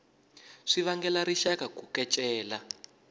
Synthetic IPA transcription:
ʂiβaŋɡɛlaɾiʃakakukɛt͡ʃʼɛːla

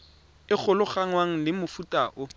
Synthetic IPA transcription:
ɪk͡xʰʊlʊχaŋwaŋ̩lɪmʊfutʼaʔʊ

